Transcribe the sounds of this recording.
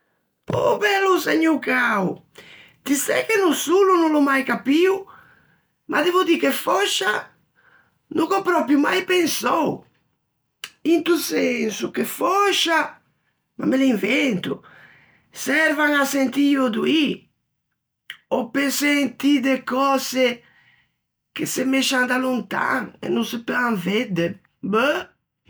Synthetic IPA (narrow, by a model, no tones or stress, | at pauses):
o̰bɛlːuseɲukaw | d̪̥isɛ̰kenusulunulomajkapiw | mʔad̪ɛvud̪ikefɔʃa | nʔukopɾɔpɾjuma̰jpensɔw | int̪usensukefɔʃa | ma̰meliɱvɛnt̪u | sɛɾvaŋasent̪iod̪ui | opesent̪id̪ekɔse | kesɪmeʃand̪alunt̪a̰ŋḛnːunsɪpaŋved̪e | bə